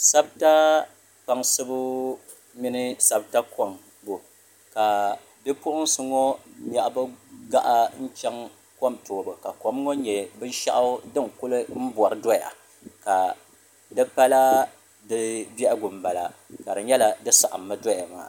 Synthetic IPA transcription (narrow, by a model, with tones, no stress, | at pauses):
sa˦b̚ta˦ | pa˨ŋsɨ˦bʊ˦ | mi˦nɨ˦sa˦bta˦ko˨m | bo˨ | ka˨ | bɛ˦pʊ˦ʔʊ˦n˦sɨ˦ŋo˦ɲa˨ʔba˦ɡa˦ʔa˦n̩˦t͡ʃɛ˦ŋ | ko˦mtoː˨bɨ˨ka˨ko˨m˦ŋo˦ɲɛ˨bɨ˦n˦ʃa˦ʔa˦dɨ˦ŋkʊ˦lɨ˦m̩˦bɔ˨ɾɨ˦dɔ˦ja̰˨ | ka˨ | dɨ˦pa˦la˦ | dɨ˦bɛ˦ʔa˦ɡʊ˨m˨ba˨la̰˨ka˨dɨ˨ɲɛ˦la˨dɨ˦sa˨ʔa˨mːɨ˦dɔ˦ja˨ma̰ː˨